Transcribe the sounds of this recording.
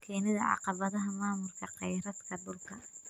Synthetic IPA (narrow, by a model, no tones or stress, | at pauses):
kʰɛːnɪðɐʕɑ̰qɑβɐðɐɦɐmaːmʊlkʰɐqɑjɾɐd̪kʰɐd̪ʊlkʰɐ